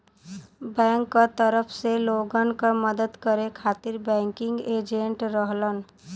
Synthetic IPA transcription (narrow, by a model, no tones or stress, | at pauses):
bɛ̃ŋkːət̪əɾəpʰseloɡənkəməd̪əd̪kəɾekʰat̪iɾbɛ̃ŋkiŋɡed͡ʒeɳʈɾəɦlən